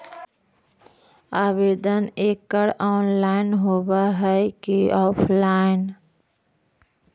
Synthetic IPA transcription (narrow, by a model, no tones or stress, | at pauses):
aːʋeːd̪əneːkːəɽɔːnlaːɪnɦoːbaɦɛkiɔːpʰlaːɪn